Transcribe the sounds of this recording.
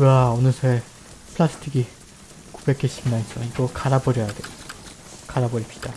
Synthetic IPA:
kɯɡaʌnɯsʰe | pʰɯɭasʰɯ̥tʰiɡi | ku̥be̞k͈ʰeɕ͈ʰiɡinais͈ʌiɡʌkaɾabʌɾjʌjadwe | kaɾabʌɾip̚ɕi̥d̥a

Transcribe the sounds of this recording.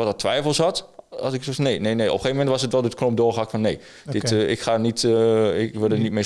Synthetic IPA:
ɔtdɔtʰːʋɛjfəlˠshɔtɔ̰sɪksoneːnejnejʔɔ̰pχeːvəmɛntʋɔsətʋɛlˠdətknomp̚doːχakfɔnːej | d̥ɪtɪ̰kχanitɪkʋɪlˠdənitme

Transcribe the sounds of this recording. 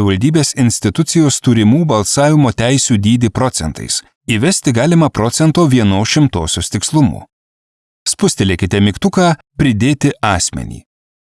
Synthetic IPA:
ɪʋɐlʲd̪ʲiːbʲeːsɪnʲsʲt̪ʲɪt̪ʊt̪sʲɪjoːst̪uːɾʲɪmuːbɐlˠsɑːʋʲɪmoːt̪ʲæɪsʲuːd̪ʲiːd̪ʲɪpɾɔt̪sʲɛnt̪ɐ̰ɪs | iʋʲɛsʲt̪ʲɪɡɑːlʲɪmɐpɾɔt̪sʲɛnt̪oːʋʲiɛnoːʃʲɪmt̪oːsʲoːst̪ʲɪkslˠʊmṵː | spʊsʲt̪ʲelʲekʲɪt̪ʲɛmʲɪkt̪ʊkɑː | pʲɾʲɪd̪ʲeːt̪ʲɪɑːsʲmʲɛ̰nʲḭː

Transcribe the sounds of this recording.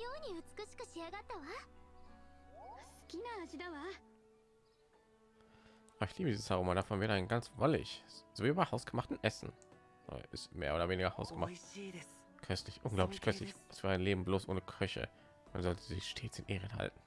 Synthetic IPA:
joːɲ̟iɯt͡sɨ̥kɯ̟ɕi̥kɯ̟ɕiaɡat̪ːaβa | sɨ̥kʲinaːʑid̪aβa | ʔaɪçliːbədizə̥shaʁoːmadafɔnvɛːdəaɪnɡant͡svɔlɪ̰çz̥oviːbaɪhaʊsɡ̥əmaχtn̩ʔɛsn̩ | a̰ʔɪ̰stmḛːɐʔoːdɐveːnɪiɡɐhaʊsɡ̥əma̰ | kʰœstlɪçʔʊnɡlaʊpʰlɪçkʰœstlɪçɛsvːɐaɪnleːbm̩bloːsʔo̰ːnəkʰœçə̰ | manzɔltʰəzɪçʃtʰeːt͡sɪnʔeːʁənɦa̰ltn̩

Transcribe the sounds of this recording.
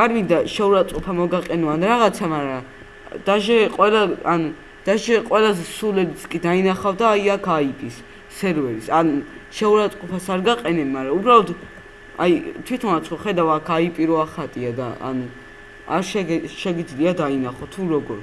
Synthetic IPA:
aɾmind̪aʃɛuɾat̪sʼqʼɔpʰamɔɡaqʼɛnɔanɾaʁat̪sʰamaɾa | d̪̥aʒɛqʼwɛlaanu | d̪̥aʒɛqʼwɛlazɛsulɛɾit̪sʰkʼid̪ainaχavd̪aːjakʰaipʼisː | ɛɾvɛɾisanʃɛuɾat̪sʼqʼɔpʰasaɾɡaqʼɛnɛbmaɾaubɾalɔt̪ | a̰jt̪ʰwit̪ʰɔnat̪sʰχɔχɛd̪avakʰaipʼiɾɔaχat̪ʼiad̪a̰a̰nu | a̰ɾʃɛʃɛɡid̪zliad̪ainaχɔt̪ʰuɾɔɡɔɾ

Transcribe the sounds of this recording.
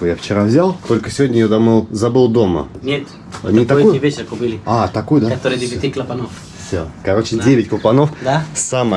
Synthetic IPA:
ojaft͡ɕɪɾavzʲalˠt̪o̞lʲkəsʲɪvʲodʲnʲəjod̪ɐmɨlˠzɐbɨlˠd̪o̞mə̰nʲet̪ | nʲɪt̪ɐjɪvʲet͡ɕɪɾəkʊbilʲɪat̪ɐkujʊd̪aɐt̪oɾɨjdʲɪɪt̪ʲiklˠəpɐnof | fsʲokɐɾo̞t͡ɕɪddʲevʲɪtʲklˠəpɐno̞fd̪asamə

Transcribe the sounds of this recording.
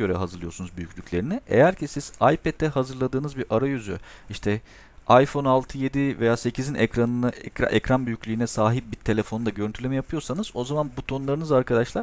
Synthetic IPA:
ø̞ɾɛɦazɯɾlˠɯjo̞ɾsunuzbyjycʰʲlʲycʰʲlʲe̞ɾiniʔḛjæɾcʰisiz̥ajpɛt̪̚ʰːɛɦazɯɾlˠad̪ɯːnɯzbiɾʔaɾajyzø̰iʃt̪ʰɛ | ajfo̞nalˠt̪ʰɯje̞d̪ive̞jaːse̞cʰizinʔɛcɾanɯnaɛcɾa̰ʔɛcɾanbyjyclʲyːnɛsaːɦip̚biɾt̪ʰe̞lʲe̞fo̞nud̪aɟøɾynt̪ʰylʲemɛjapʰɯjo̞ɾsanɯzo̞zamanbut̪ʰo̞nlˠaɾɯnɯzaɾkʰad̪aʃlˠaɾ

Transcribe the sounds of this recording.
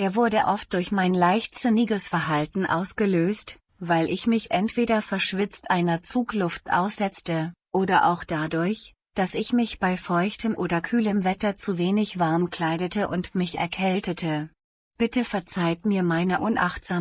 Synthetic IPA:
ʔeːɐvʊɐdəʔɔft̚d̥ʊɐçmaɪnlaɪçtstəniːɡəsfɛɐɦaltn̩ʔa̰ʊsɡ̥əløːst | vaɪlʔɪçmɪçʔɛntv̥eːɾɐfɛɐʃv̥ɪt͡stʔaɪnɐt͡suːklʊftʔa̰ʊsz̥ɛt͡stəʔoːdɐʔa̰ʊxd̥adʊɐç | d̥asɪçmɪçb̥aɪfɔʏçtəmʔoːdɐkʰyːləmvɛtɐt͡suveːnɪçv̥aɐmkl̥aɪɾətəʔʊntmɪçɛ̰ɐkʰɛltətʰə | b̥ɪtəfɛɐt͡saɪtmiːɐmaɪnəʔʊnʔa̰χtz̥aː

